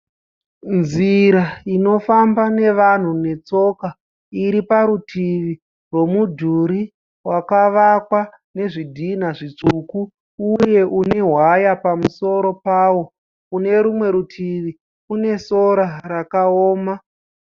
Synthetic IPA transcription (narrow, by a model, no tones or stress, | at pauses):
nd͡zziɾaino̞fambane̞ʋan̤une̞t͡so̞ka | iɾipaɾutʰiʋi | rwo̞mudʱuɾi | wakaʋakwa | ne̞ʐidʱin̤aʐit͡ʂukuː | je̞ʔune̞ɦwajapamuso̞ɾo̞paːwo̞ | une̞ɾumwe̞ɾutʰiʋi | une̞so̞ɾarakaoːma